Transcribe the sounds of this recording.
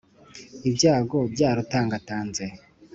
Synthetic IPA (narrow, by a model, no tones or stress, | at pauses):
ibɟaːɡobɟaːɾotaːŋɡataːnze